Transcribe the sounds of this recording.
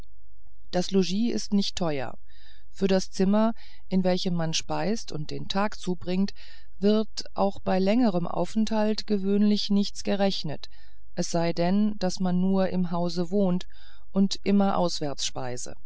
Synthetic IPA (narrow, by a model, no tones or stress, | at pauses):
d̥asloʒiːɪ̰stnɪçtʰːɔʏɐ̰ | fyːɐɾast͡sɪmɐ | ʔɪnvɛlçəmːanʃpaɪstʊnt̚d̥eːntʰaːkt͡suːbʁɪŋt | v̥ɪɐt | ʔa̰ʊxb̥aɪlɛŋəʁəmʔa̰ʊfɛnthaltɡ̥əvøːnlɪçnɪçt͡sɡ̥əʁɛçnət | ʔɛsz̥aɪdɛnd̥asmanːuːɐʔɪmɦaʊzəvoːnt | ʔʊntʔɪmɐʔa̰ʊsv̥ɛɐt͡sʃpa̰ɪsə̰